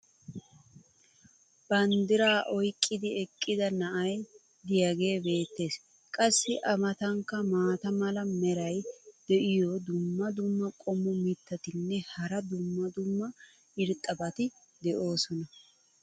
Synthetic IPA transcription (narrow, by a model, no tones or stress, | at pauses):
b̥ɐnd̪ɪɾaːʔɔjkʼːɪd̪ɪɛkʼːɪd̪ɐnɐʔɐj | d̪ɪjɐɡe̞ːbe̞ːt̪ːe̞ːs | kʼɐsːɪʔɐmɐt̪ɐŋkːɐmaːt̪ɐmɐlɐmɛɾɐjd̪̥ɛʔɪjɔd̪ʊmːɐd̪ʊmːɐkʼɔmːɔmɪt̪ːɐt̪ɪnːɛhɐɾɐd̪ʊmːɐd̪ʊmːɐ | ɪɾt̪ʼːɐbɐt̪ɪ | d̪ɛʔo̞ːsɔnɐ